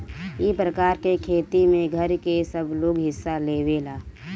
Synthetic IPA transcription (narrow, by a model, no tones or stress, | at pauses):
ipɾəkaːɾkekʰeːt̪imẽɡʱəɾkesəbloːɡɦɪsːaleːʋelaː